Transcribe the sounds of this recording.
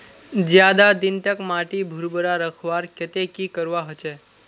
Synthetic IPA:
d͡ʒjad̪ad̪ɪnt̪əkmaʈibʱuɾbəɾaɾəkʰʋaɾkət̪ekiːkəɾʋaɦət͡ʃe

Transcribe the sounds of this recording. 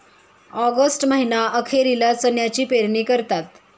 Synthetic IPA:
ɔɡəsʈməɦinaʔəkʰeɾilat͡sənjat͡ɕiːpeɾɳiːkəɾt̪at̪

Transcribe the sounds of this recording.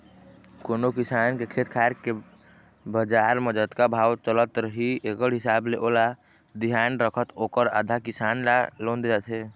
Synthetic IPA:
konokisankekʰet̪kʰaeɾke | bəd͡ʒaɾməd͡ʒəd̪kabʱawt͡ʃələt̪ɾəɦiekəɽɦisableʔola | d̪iɦanɾəkʰət̪okəɾa̰d̪ʱakisanlalond̪d͡ʒat̪ʰɛ

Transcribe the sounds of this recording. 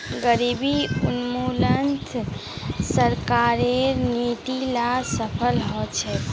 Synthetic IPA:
ɡəɾibiunmulənt̪ʰ | səɾkaɾeɾneʈ̪ilasəpʰəlɦɔt͡ʃʰɛ

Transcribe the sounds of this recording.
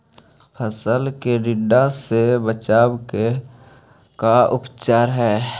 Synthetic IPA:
pʰəsəlkeɖɪɖasebət͡ʃaːbke | kaʔʊpt͡ʃaːɾɦɛː

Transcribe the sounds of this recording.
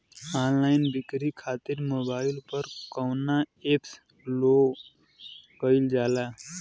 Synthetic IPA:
anlajnbikɾikʰat̪iɾmobailpʌɾkɔwnaeps | lo | ɡəjld͡ʒala

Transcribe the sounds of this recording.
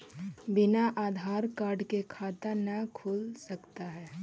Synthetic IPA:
bɪnaʔaːd̪ʱaːɾkaːɾɖkekʰaːt̪anəkʰuːlsəkt̪aɦɛː

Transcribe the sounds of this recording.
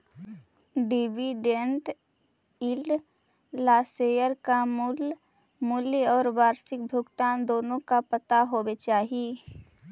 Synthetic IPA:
ɖɪʋiɖeɳʈ | ɪl | laːseːjəɾkamʊl | mʊlɔːɾʋaːɾsɪk̚bʱʊɡt̪aːnd̪oːnõkapət̪aɦoːbet͡ʃaːɦie

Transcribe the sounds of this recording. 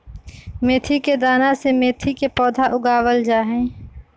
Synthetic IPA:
meːt̪ʰiked̪aːnasemeːt̪ʰikepɔːd̪ʱaʔʊɡaːwəld͡ʒaːɦɛ̃ː

